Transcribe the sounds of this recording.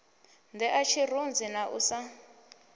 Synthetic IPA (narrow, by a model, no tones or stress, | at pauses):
ndɛʔat͡ʃʰirund͡zinaʔusa